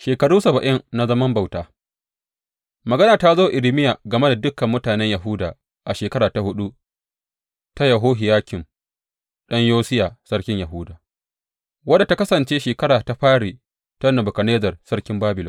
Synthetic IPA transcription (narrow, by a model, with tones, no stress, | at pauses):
ʃeː˨kɐ˨ɽuː˦sɐ˨bɐ˨ʔɪ˦nna˦zɐ˦mɐ˦mba˨wtaː˦ | mɐ˨ɡɐ˦naː˨ta˦zoː˦ʔɪ˨lɪ˦mɪ˦ja˨ɡɐ˨me˦da˨dʊ˦kːɐ˨mːʊ˦taː˨nɛ˦ɲjɐ˨ɦʊː˦daː˨ | ʔa˨ʃeː˨kɐ˦ɾaː˨ta˨hʊ˦ɗu˦ | ta˦ja˨ɦoː˦ɦɪ˨jaː˦kʲɪ˨ŋ | ɗɐ˦ɲjoː˦sɪ˦jaː˨sɐ˦ɽkʲɪ˦ɲjɐ˨ɦʊ˦daː˨ | wɐ˦da˨ta˦kɐ˦sɐ˨nt͡ʃeː˦ʃeː˨kɐ˦ɽaː˨ta˦ɸaː˦ɽiː˨ | tɐ˦nɐ˨bʊ˨kɐ˨neː˦zɐ˨rsɐ˦ɽkʲɪ˦mbaː˦bɪ˨lɔ˦